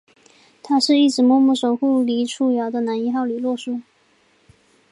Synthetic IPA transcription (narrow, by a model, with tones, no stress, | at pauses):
t̪ʰa˥ʂɻ̩˥˧i˥˩ʈ͡ʂɻ̩˨˥mwɔ˥˧mu˥˩ʂo˨˩ʊxu˥˩li˧˥ʈ͡ʂʰu˥˩jɑ˧˥ʊd̪ə˧na˧˥ni˧˥xɑ˥˩ʊly˨˩lwɔ˥˧ʂu˥˩